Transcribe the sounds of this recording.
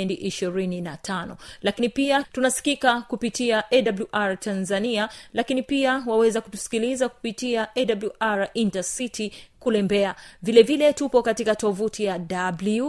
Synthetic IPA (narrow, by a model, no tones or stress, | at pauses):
ɛndiʔiʃiɾininatʰanɔlakinipiatunasi̥kikakupitiaʔɛdabluʔaɾatʰanzanialakinipiawawɛzaku̥tu̥si̥kilizaku̥pitiaʔɛdabluʔaɾintasitʰikulɛmbɛavilɛvilɛtupɔkatikatɔvutijadabli